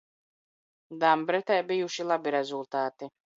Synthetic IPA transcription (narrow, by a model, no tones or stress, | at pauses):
d̪ambɾɛt̪ɛjbijuʃilˠabiɾɛzulˠt̪aːt̪i